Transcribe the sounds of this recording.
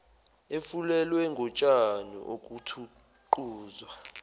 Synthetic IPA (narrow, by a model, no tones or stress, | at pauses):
efulɛlwɛŋɡʱɔt͡ʃʼanṵʔok̬ʼutʰu | ǃuːzwa